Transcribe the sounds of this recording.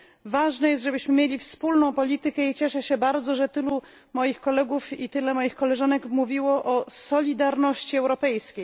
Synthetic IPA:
vaʐnɛjɛst̪ʐɛbɘɕmɘmʲjelʲifspulnɔ̃w̃pɔlʲit̪ɘkɛit͡ɕɛʂɛɕɛbaɾd̪zɔʐɛt̪ɘlu | mɔjixkɔlɛɡufit̪ɘlɛmɔjixkɔlɛʐanɛkmuvʲiwɔʔɔsɔlʲid̪aɾnɔɕt͡ɕiɛwɾɔpɛjskʲej

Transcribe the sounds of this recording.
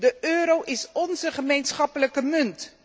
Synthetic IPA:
dəʔøːɾowʔɪsɔnzəχəmejnsχɑpələkəmɵnt

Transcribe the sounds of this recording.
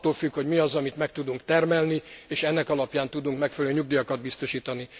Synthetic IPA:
t̪ːoːlfykho̞ɟmiɒzɒmit̪mɛk̚t̪ud̪uŋkt̪ɛrmɛlnieːʃɛnːɛkɒlɒpjaːnt̪ud̪uŋkmɛkfɛlɛløːɲuɡ̚d̪ijɒkɒd̪̚bist̪o̞ʃiːt̪ɒni

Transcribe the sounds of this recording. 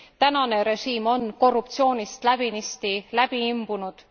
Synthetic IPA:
t̪ænɑne̞ɾe̞ʃiːmo̞nko̞rːup̚t̪sio̞ːnʲist̪læbinist̪ilæb̥iimb̥unud̪̥

